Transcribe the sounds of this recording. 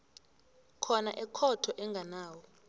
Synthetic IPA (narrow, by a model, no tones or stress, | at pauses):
kʰɔnaʔɛkʰɔtʰɔʔɛŋɡʱanaːwɔ